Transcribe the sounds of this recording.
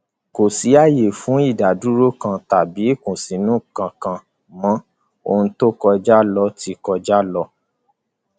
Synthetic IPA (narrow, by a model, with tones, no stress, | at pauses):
ko˨si˨˦a˦˨je˨fũ˨˦i˦˨da˨du˨˦ɾo˦kã˧ta˨bi˨˦kũ˨si˨˦nũ˦kã˧kã˧ | mã˦ | o̰˧ũ˧to˦˨kɔ˧d͡ʒa˦lɔ˧ti˧˦kɔ˧d͡ʒa˦lɔ˧